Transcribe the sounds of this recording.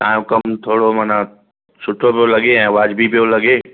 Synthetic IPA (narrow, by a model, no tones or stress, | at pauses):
t̪ã̰ːjõkɐmt̪ʰoːɽomaːna | sʊʈʰopijolɐɡeɛ̃ːɐʋaːd͡ʑbʱipijolɐɡeː